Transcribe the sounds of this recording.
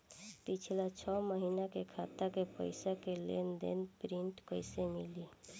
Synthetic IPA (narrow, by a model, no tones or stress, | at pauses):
pit͡ʃʰlat͡ʃʰɔməɦinakekʰat̪akepəɪsakelḛnd̪ḛnpɾiɳʈkəɪsemḭli